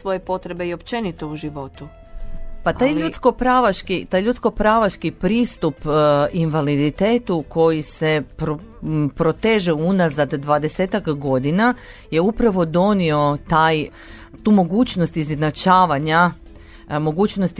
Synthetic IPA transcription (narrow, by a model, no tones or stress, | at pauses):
sʋojepo̞t̪ɾebeiopt͡ʃenit̪ouʒiʋo̞t̪u | pat̪ajʎut̪sko̞pɾaːʋaʃkit̪aːjʎut̪sko̞pɾaːʋaʃkipɾiːst̪upinʋalid̪it̪eːt̪ukʰo̞jise̞pɾo | pɾo̞t̪e̞ːʒeunazad̪ːʋad̪e̞seːt̪akɡo̞d̪ina | je̞upɾaʋo̞d̪o̞nio̞t̪aj | t̪uːmo̞ɡuːt͡ɕnost̪izenat͡ʃaːʋaɲa | mo̞ɡuːt͡ɕnost̪